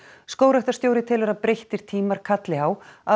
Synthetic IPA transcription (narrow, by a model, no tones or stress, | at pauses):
skoːwɾaht̪ḁst̪joːwɾɪt̪ʰɪːlɛɾaðpɾejht̪ɪɾ̥t̪ʰiːmaɾ̥kʰat̪lɪhaːwa